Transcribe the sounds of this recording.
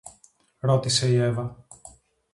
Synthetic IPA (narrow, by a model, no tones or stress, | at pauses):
ɾo̞t̪ise̞ie̞vɐ